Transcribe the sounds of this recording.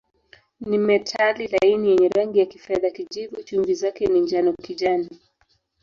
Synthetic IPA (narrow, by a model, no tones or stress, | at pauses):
nimɛtʰalilainijɛɲɛɾaŋɡijakifɛðakiʄivut͡ʃuŋvizakɛniɲd͡ʒanɔkiʄani